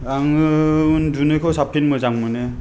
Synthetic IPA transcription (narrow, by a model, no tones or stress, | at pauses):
aŋɯndunɯjkʰɔwsap̚tʰinmɔjzaŋmanɛ